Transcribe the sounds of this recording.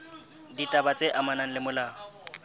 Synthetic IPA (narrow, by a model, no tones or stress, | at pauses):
ditʼabat͡sʼeʔamanaŋ̩lɪmʊlaːɔ